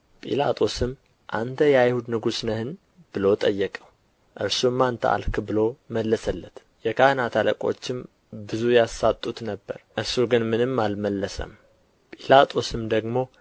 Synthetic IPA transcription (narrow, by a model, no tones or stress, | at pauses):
pʼḭla̰t̪ʼʰo̞sɨm | ʔa̰nt̪ʰəjajhud̪nɨɡusnəhɨn | b̥ɨlo̞t̪ʼəjːɛkʼəw | ʔɨɾsumːant̪ʰə̰a̰lkʰbɨlo̞məlːəsəlːət̪ | jɛkʰahɨnat̪ʰaləkʼo̞̰t͡ʃːɪm | bɨzujasat̪ʼːut̪nəbːə̰ɾʔɨɾsuɡɨnmɨnɨmːalməlːəsə̰m | pʼilat̪ʼʰo̞sɨmd̪əɡmo̞